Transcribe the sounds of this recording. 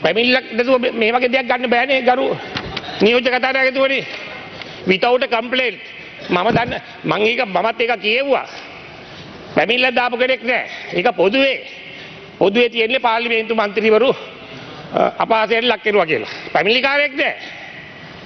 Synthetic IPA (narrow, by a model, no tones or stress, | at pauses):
pæmilːak̚ɖet̪̬uʋəmeːʋaɡeːd̪eak̚ɡanːəbɛːneɡaɾu | nijoːd͡ʒɐkat̪aːneaɡet̪̬uʋəni | ʋit̪awʈəkəmpleːnʈ | maməd̪anːə | maŋeːkəmamat̪ːeːkakijeʋuʋa̰ | pæmilːad̪aːpukəɽeknɛ̰ːeːkəpod̪uʋe | pod̪uʋet̪ijenːepaːliment̪umant̪ɾiʋəɾu | apaːsejanlakːeɾuʋakijəla̰pæmilikaːɾeak̚nɛː